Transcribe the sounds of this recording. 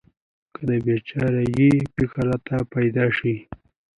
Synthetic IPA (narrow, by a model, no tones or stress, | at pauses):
kəd̪əbet͡ʃaɾajipikaɾat̪apajd̪ɑʃi